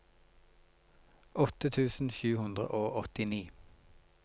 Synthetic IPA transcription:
ʔɔt̪ət̪ʰʉːsn̩ʃʉːhʉnd̪ʁə̰ʔoːʔɔt̪ɪniː

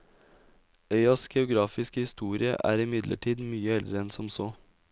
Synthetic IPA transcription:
œʏɑsɡɛʊɡɾɑːfɪskəhɪst̪uːɾɪə̰ʔæ̰ːɾɪmɪd̪lʔə̰ʈʰiːd̪myːəɛld̪ɾəɛnsɔmsoː

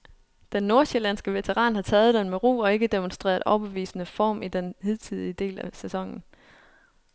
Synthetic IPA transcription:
d̥enːo̝ɐɕelænsɡ̥əʋe̝t͡sʰeʁɑ̰̈ːnhɑ̈t͡sʰɛːð̞̩ˠd̥enmeʁṵːɒ̽e̝ɡ̥əd̥e̝monsd̥ʁḛːɐʔɒb̥eʋḭːsənəfɒ̰ːmid̥enheð̰ˠt͡sʰiðˠiəd̥e̝̰ːlæsæsɒ̽ŋ̰n̩

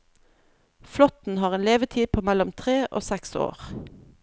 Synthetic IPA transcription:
flɔt̪n̩hɑːʁeːnleːʋət̪ʰiːpʰoːmælɔmt̪ʰʁeːʔo̰ːsɛkso̰ːʁ

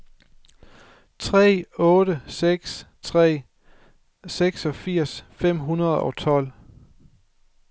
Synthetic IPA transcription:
t͡sʰʁɛ̰ːɔ̽ːɾəseɡ̥st͡sʰʁɛ̰ː | seɡ̥sɒ̽fiɐ̰sfem̰ɦunɐð̞̩ˠɒ̽t͡sʰɒ̽l̰

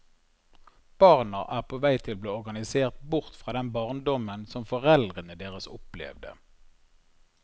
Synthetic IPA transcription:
b̥ɑːʁnəʔæːʁpʰoːʋæɪt̪ʰɪlbleːɔʁɡɑnɪseːʁt̪̚bʊʁt̪fʁɑːd̪ɛnbɑʁnd̪ɔmənsɔmfɔʁɛld̪ʁənəd̪eːʁəsʊplɛ̰ʋd̪ə̰

